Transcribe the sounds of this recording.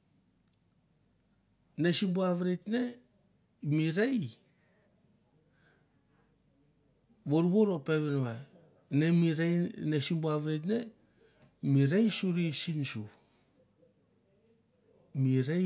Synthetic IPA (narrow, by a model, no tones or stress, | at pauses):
nesibuaβɾetne | miɾej | βoɾuβoɾopeβenβa | neiɾenesibuaβɾetne | miɾejsuɾisinsu | miɾe